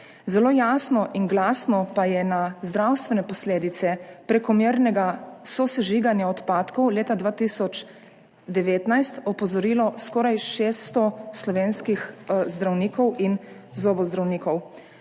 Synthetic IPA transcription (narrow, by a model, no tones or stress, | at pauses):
zɛloːjaːsnɔʔinɡlasnɔpajɛnazd̪ɾawst̪ʋɛnɛpɔsleːd̪it̪sɛpɾɛkɔmiɾnɛɡasɔsɛʒiːɡanjaɔt̪paːt̪kɔwleːt̪ad̪ʋaːt̪isɔt͡ʃ | d̪ɛʋeːt̪najst̪ɔpɔzɔɾiːlɔskɔːɾajʃeːst̪ɔslɔʋeːnskixzd̪ɾawniːkɔwin | zoːbɔzd̪ɾawniːkɔw